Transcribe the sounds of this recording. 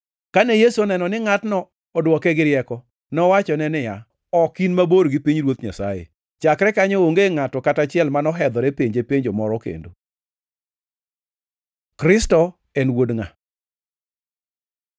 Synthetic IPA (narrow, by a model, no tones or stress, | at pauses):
kanejesuonɛnɔnɪŋatnɔː | dwɔkɛɡɪɾjɛkɔ | nɔwat͡ʃɔnɛnɪja | ɔkinmaboɾɡipiɲɾwot̪ɲa̰sajḛ | t͡ʃakɾɛkaɲɔoŋɡeŋatɔkatat͡ʃɪɛlmanɔɦɛd̪ɔɾepeɲd͡ʒepeɲd͡ʒɔmɔɾɔkḛndo | kɾɪstɔ | ɛnwodŋa